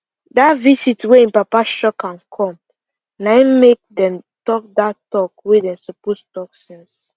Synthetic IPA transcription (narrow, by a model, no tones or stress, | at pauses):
datvisitweĩnpapaʃɔkãnkʰɔ̃m | naɪmek̚dɛ̃mtɔk̚datɔkwedɛ̃msopostɔksɛ̃ns